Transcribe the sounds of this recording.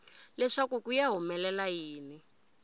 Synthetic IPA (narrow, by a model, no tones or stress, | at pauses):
lɛʂakukujaɦumɛlɛlajiːni